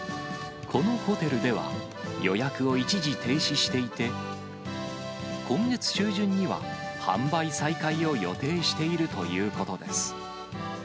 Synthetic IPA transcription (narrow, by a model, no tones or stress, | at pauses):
kʰo̞no̞ho̞t̪e̞ɾɯ̟d̪e̞βa̰ | jo̞jakɯ̟o̞it͡ɕiʑit̪e̞ːɕiɕi̥t̪e̞it̪e̞ | kʰõ̞ŋɡe̞t͡sɨ̥ɕɨːʑɨ̃ɲ̟ːiβa̰hã̰mbaisaikaio̞jo̞̰t̪e̞ːɕi̥t̪e̞iɾɯ̟t̪o̞̰jɯ̟ːko̞t̪o̞d̪e̞sɨ̥